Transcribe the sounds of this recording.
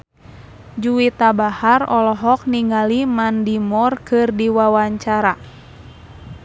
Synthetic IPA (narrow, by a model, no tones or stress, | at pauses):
d͡ʒuwit̪abaharɔlɔɦɔk̚niŋalimandimɔrkɨrdiwawaɲt͡ʃaɾa